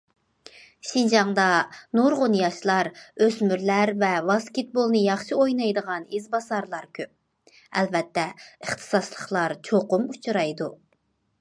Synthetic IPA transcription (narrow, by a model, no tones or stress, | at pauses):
ʃind͡ʒɑŋd̪ɑnuɾʁʊnjɑʃlˠɑɾøzmyɾlæɾvɛvɑskʲet̪̚bolˠnɨjɑχʃɨojnɑjd̪əʁɑnizbɑzɑɾlˠɑɾkʲʰøp̚ | ɛlvɛt̪ʰːɛəχt̪ʰɨ̥sɑslˠəχlˠɑɾt͡ʃʰoqʊmut͡ʃʰɾɑjd̪u